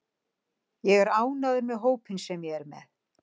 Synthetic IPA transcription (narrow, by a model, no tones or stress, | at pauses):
jɛɣɛɾaːwnaðʏɾmɛðɦoːwpɪnsɛmjɛɣɛɾmɛ̰θ